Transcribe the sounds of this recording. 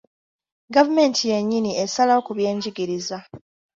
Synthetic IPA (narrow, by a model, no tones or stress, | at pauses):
ɡavume̞ːntʰije̞ɲːiniesalaokuβje̞ːɲɟiɡiɾiza